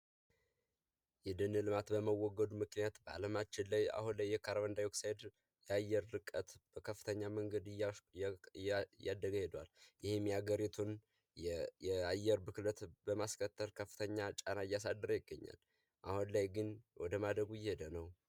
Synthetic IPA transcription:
jɛd̪ɨnɨlɨmat̪bəməwːɔɡəd̪umɨknijat̪bəa̰ləmat͡ʃːɪnlaja̰hunlajːɛkʰaɾwənd̪ajoksajd̪ | jɛajːɛɾːɨkʼːət̪b̥əkʰəfːɨ̥t̪ʰəɲːaməŋɡəd̪ɨj | jːad̪ːəɡəhed̪wa̰ljɪhemjaɡəɾit̪ʰun | ɛajːɛɾbɨklət̪bəmaskʰət̪ʰːəɾkʰəfːɨ̥t̪ʰəɲːat͡ʃʼanajːas̬ad̪ːəɾəjɪɡːəɲːa̰l | ʔahunlajɡɨnwɔd̪əmad̪ɾəɡujɛhed̪ənəw

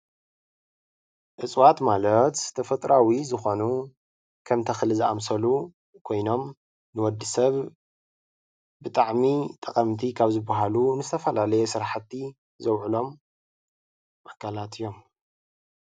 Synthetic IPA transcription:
ʔɨt͡sʼwat̪malɐt̪t̪ʰɐfɐt̪ʼɾʔawizɨxo̞nu | kʰɐmt̪ʰɐxɨlɨzɨa̰msɐlu | kʰo̞jno̞m | nɨwɔd̪ːɨsɐβ | bɨt̪ʼaʕmit̪ʼɐkʼɐmt̪ʰikʰaβzɨbːaɦalunɨzɨt̪ʰɐfɐlalɐjesɨɾħat̪ːi | zɐwʕulo̞m | ʔakʰalat̪ʰɨjːo̞m

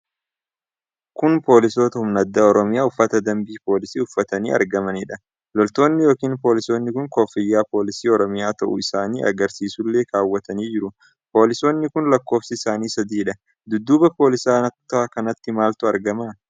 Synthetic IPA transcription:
kʊnpo̞ːlɪso̞ːt̪ɐʊmnɐd̪ːaːɔɾɔmɪjaːʊfːɐt̪ɐd̪ɐmbiːpo̞ːlɪsiːʊfːɐt̪ɐniːʔɐ̰ɾɡɐmɐnɪᶑɐ | lɔlt̪o̞ːnːɪjo̞ːkiːnpo̞ːlɪso̞ːnːɪkʊŋko̞ːfɪjːaːpo̞ːlɪsiːɔɾɔmɪjaːt̪ɐʔʊ̰ɪsaːnḭːʔɐ̰ɡɐɾsiːsʊlːe̞ːkaːwːɐt̪ɐniːd͡ʒɪɾʊ | po̞ːlɪso̞ːnːɪkʊnlɐkːo̞ːfsɪɪsaːniːsɐd̪iːᶑɐ | d̪ʊd̪ːuːbɐpo̞ːlɪsaːnɐt̪ːkɐnɐt̪ːɪmaːlt̪ʊɐɾɡɐma

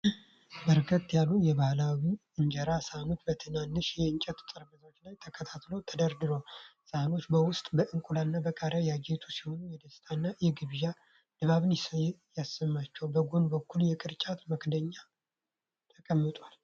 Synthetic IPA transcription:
bəɾkʰət̪ːjalːujɛβahlawiɨɲd͡ʒɛɾasano̞t͡ʃːbət̪ʰɨnanːɨʃjɛɨnt͡ʃʼɛt̪t̪ʼɨɾməzawot͡ʃːlajt̪ʰəkʰət̪ʰat̪lo̞t̪ʰəd̪əɾd̪ɨɾosano̞t͡ʃːbəwʊst̪ʼbəʔɨŋkʼulanːabəkʼaɾajad͡ʒe̞t̪ʰusiho̞nujɛd̪əst̪ʰanːajɛɡɨβja | d̪̥əβaβɨnjasːəmːat͡ʃːɛwbəɡonbəkːuljɛkʼɨɾt͡ʃʼat̪məkd̪əɲːa | t̪ʰəkʼəmːɨt̪ʼwal

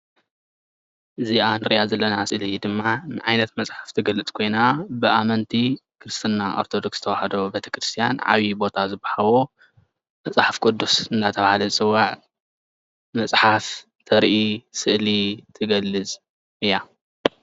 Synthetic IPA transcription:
ʔɨziʔanɨɾijazɐlːɐnasɨʔlid̪ɨmːanɨ̰ʕajnɐt̪mɐt͡sʼħḁft̪ʰɨɡɐlɨt͡sʼkʰo̞jnabɨʔamɐnt̪ʰikʰɨɾɨst̪ʰɨnːaʔo̰ɾt̪ʰo̞d̪okst̪ʰɐwaħad̪o̞bet̪ʰɐ̥kɾɨst̪ʰijanʕa̰βjibo̞t̪ʰazɨbːahawo | mɐt͡sʼħafkʰʼod̪usɨnːat̪ʰɐβahalɐɨsʼɨwːaʕ | mɐsʼħaf | t̪ʰɐɾʔisɨʔlit̪ʰɨɡɐlːɨt͡sʼ | ɨja

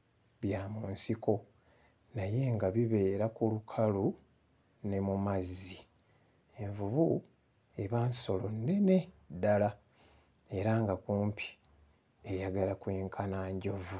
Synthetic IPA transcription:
βjaːmuːnsiko̞ | naje̞ːŋɡaβiβe̞ːɾakulukʰalu | ne̞mumazi | e̞ɱvuβu | e̞βanso̞lo̞nːe̞ne̞ | dala | e̞ɾaŋɡakuːmpʰi̥ | ejaɡalakwiːŋkʰanaːɲɟo̞vu

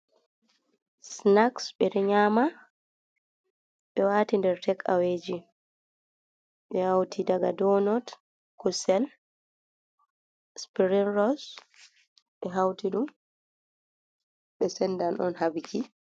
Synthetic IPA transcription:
snaksɓɛɾɛɲaːma | ɓɛwaːtindɛɾtʰɛka̰wed͡ʒi | ɓɛhawtʰidaɡa̰dɔnɔt | kusɛl | spiɾinɾɔs | ɓɛɦawtiɗum | ɓɛsɛnːdanʔɔ̰nhabikʰi

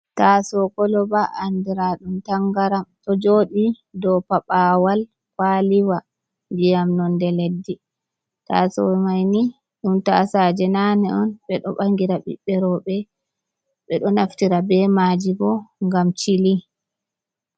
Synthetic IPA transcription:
tasɔkɔlɔbaʔandiɾaɗumtaŋɡaɾamtɔd͡ʒoɗi | dɔpaɓawal | kwaliwa | mbijamnɔndɛledːi | ta̰sɔmajni | ɗumta̰sad͡ʒɛnanɛɔnɓɛɗɔɓaŋɡiɾaɓḭɓːɛɾɔɓɛ | ɓɛɗɔnaftiɾabɛmaːd͡ʒibɔŋɡamt͡ʃili

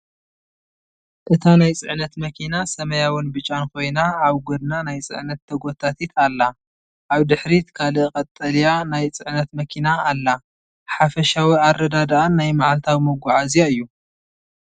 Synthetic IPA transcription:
ʔɨt̪ʰanajt͡sʼɨʕnɐt̪mɐkʰinasɐmɐjawɨnbɨt͡ʃʼːankʰo̞jnaaβɡod̪nanajt͡sʼɨ̰ʕnɐt̪ʰːɐɡo̞t̪ʰat̪ʰit̪ʰalːa | ʔaβd̪ɨħɾit̪kʰalɨkʼɐt̪ʼːɐlijanajt͡sʼɨʕnɐt̪mɐkʰinaːlːa | ħafɐʃawiarːɐd̪ad̪aʔanːajmaʕalt̪ʰawimɐɡʷaʕazijaɨjːu

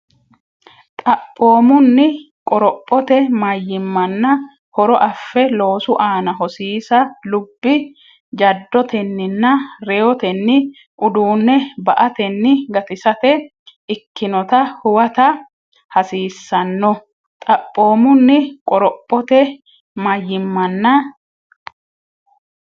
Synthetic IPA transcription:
t̪ʼɐpʼːo̞ːmʊnːɪ | kʼɔɾɔpʼːɔt̪ɛmɐjːɪmːɐnːɐ | hɔɾɔʔɐfːɛlo̞ːsʊʔaːnɐhɔsiːsɐlʊbːɪ | d͡ʒɐd̪ːɔt̪ɛnːɪnːɐɾɛɔt̪ɛnːɪ | ʔʊd̪uːnːɛbɐʔɐt̪ɛnːɪɡɐt̪ɪsɐt̪ɛ | ɪkːɪnɔt̪ɐhʊwɐt̪ɐ | hɐsiːsːɐnːɔ | t̪ʼɐpʼːo̞ːmʊnːɪkʼɔɾɔpʼːɔt̪ɛ | mɐjːɪmːɐnːɐ

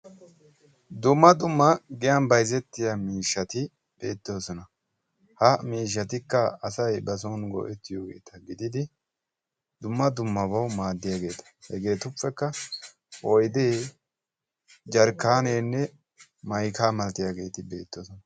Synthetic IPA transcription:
d̪ʊmːɐd̪ʊmːɐɡɪjɐnbɐjzɛt̪ːɪjamiːʃːɐt̪ɪ | b̥e̞ːt̪ːoːsɔnɐ | hɐmiːʃ̬ːɐt̪ɪkːɐɐsɐjbɐs̬ɔnɡɔ̰ʔɛt̪ːɪjo̞ːɡeːt̪ʰɐɡɪd̪ɪd̪ɪ | d̪ʊmːɐd̪ʊmːɐbɐwmaːd̪ːɪjaːɡe̞ːt̪ɐ̥hɛɡe̞ːt̪ʊfːɛkːɐ | ʔɔjd̪eː | d͡ʒɐɾkːaːneːnːɛ | mɐjkaːmɐlt̪ːɪjaːɡe̞ːt̪ɪbe̞ːt̪ːoːsɔnɐ

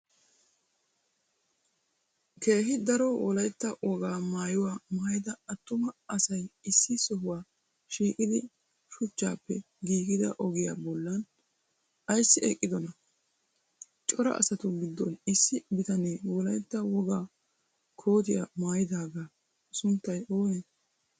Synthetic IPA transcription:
ke̞ːɦɪd̪ɐɾɔwɔlɐjt̪ːɐwɔɡaːmaːjɪwaːmaːjɪd̪ɐɐt̪ːʊmɐɐsɐjɪsːɪsɔɦʊwaː | ʃiːkʼɪd̪ɪ | ʃʊt͡ʃːa̰ːpːɛ | ɡiːɡɪd̪ɐ̰ʔɔɡɪja̰ːbɔlːɐn | ʔɐjsːɪʔḛkʼːɪd̪ɔnɐ | t͡ʃʼɔɾɐ̰ʔɐ̰sɐt̪ʊɡɪd̪ːɔnɪsːɪbɪt̪ɐneːwɔlɐjt̪ːɐwɔɡaː | kʰo̞ːt̪ɪja̰maːjɪd̪aːɡaː | sʊnt̪ːɐjoːjɛn

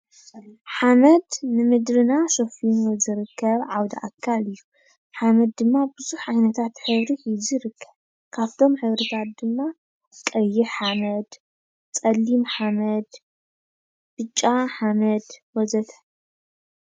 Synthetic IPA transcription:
ħamɐd̪nɨmɨd̪ɾɨnasofinzɨɾɨkʰːɐβʕawd̪ɐ̰ʔa̰kʰːalɨjːu | ħamɐd̪̚ːɨmːabɨzuħʕajnɐt̪ʰat̪ħɨβɾizɨɾɨkːɐβ | kʰaβt̪ʰo̞mħɨβɾit̪ʰat̪̚d̪ɨmːa | kʼɐjiħamɐd̪ | t͡sʼɐlːimħamɐd̪ | b̥ɨt͡ʃʼːaħamɐd̪wɔzɐt̪ʰɐ̥

